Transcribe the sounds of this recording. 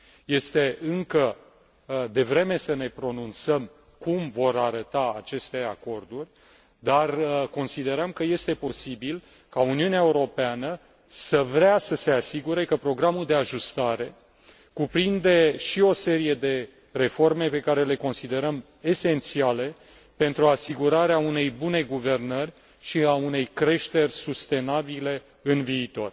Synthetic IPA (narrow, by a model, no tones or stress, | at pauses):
je̞st̪e̞ʔɨŋkə | d̪e̞vɾe̞me̞səne̞pɾo̞nunt̪səm | kumvo̞ɾaɾət̪aa̰t͡ʃe̞st̪e̞ako̞rd̪urʲ | d̪arko̞nsid̪e̞ɾəmkəje̞st̪e̞po̞sibil | kauniuneaeuɾo̞peanə | səvɾeasəse̞asiɡuɾe̞kəpɾo̞ɡɾamuld̪e̞aʒust̪aɾe̞ | kupɾind̪eʃio̞se̞ɾije̞d̪e̞ | re̞fo̞rme̞pe̞kaɾe̞le̞ko̞nsid̪e̞ɾəm | e̞se̞nt̪siale̞ | pe̞nt̪ɾuasiɡuɾaɾeaune̞jbune̞ɡuve̞rnərʲ | ʃiaune̞jkɾe̞ʃt̪e̞rʲsust̪e̞nabile̞ | ɨnviːt̪o̞̰r